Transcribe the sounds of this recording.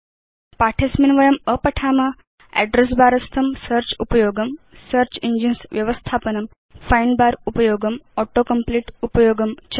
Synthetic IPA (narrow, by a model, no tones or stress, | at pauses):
paʈʰesminʋɐjɐməpɐʈʰaːmɐ | ɛ̰ɖɾes̬baːɾɐst̪ʰɐmsəɾt͡ɕupɐjoːɡɐm | səɾt͡ɕiɲd͡ʑinsʋjɐʋəst̪ʰaːpənɐm | fajnbaːɾupɐjoːɡɐmɔʈokəmpliʈupəjoːɡəmt͡ɕʰ